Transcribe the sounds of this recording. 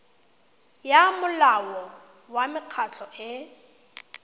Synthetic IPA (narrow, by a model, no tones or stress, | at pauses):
jamʊlawɔ | wamɪq͡χʰatʰɔʔɪ